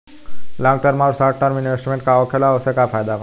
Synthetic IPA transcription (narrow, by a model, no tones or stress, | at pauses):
lãŋɡ̚t̪əɾmaːɾsaːʈʈaɾmɪnʋesʈmẽːɳʈ̚kaɔːkʰelaosekapʰaːjd̪aʋə